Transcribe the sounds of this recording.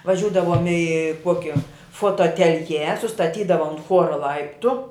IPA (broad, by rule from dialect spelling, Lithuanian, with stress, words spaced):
ʋɐˈʒʲuːdɐʋoːm ɪ ˈkuɔkʲɛ foːtoːɐtʲɛlʲˈjɛ sʊstɐˈtʲiːdɐʋɐ ʊnt ˈxuɔrɐ ˈlˠɐɪptʊ